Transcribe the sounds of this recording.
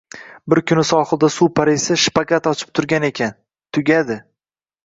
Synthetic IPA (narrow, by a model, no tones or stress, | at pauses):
bɪɾkʰʲʊnɪsɒχɨlˠd̪asupʰaɾesɪʃpaɡat̪ɒt͡ʃʰɪ̥p̚t̪ʰʊɾɡʲane̞kʲan | t̪ʰʊɡʲad̪ɪ